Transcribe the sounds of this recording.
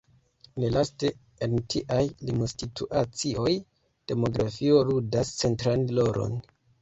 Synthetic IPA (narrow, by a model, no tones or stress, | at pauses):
nelaste̞ | entʰiʔajlimostitʰuʔat͡sio̞j | d̥e̞mo̞ɡɾafio̞ludast͡se̞ntɾanlo̞ɾo̞̰n